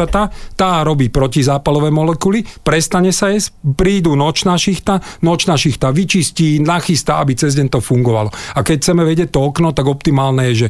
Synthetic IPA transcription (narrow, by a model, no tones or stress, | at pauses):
at̪at̪aːɾɔbiːpɾɔcizaːpalɔʋɛːmɔlɛkulipɾɛst̪aɲɛsajɛspɾiːd̪uːnɔt͡ʃnaʃixt̪anɔt͡ʃnaʃixt̪aʋit͡ʃisciːnaxist̪aabit͡sɛzɟɛɲt̪ɔfuŋɡɔʋa̰lɔakɛcʰt͡sɛmɛʋɛɟɪɛc̚t̪ɔɔknɔt̪aɡɔpt̪imaːlnɛjɛʒɛ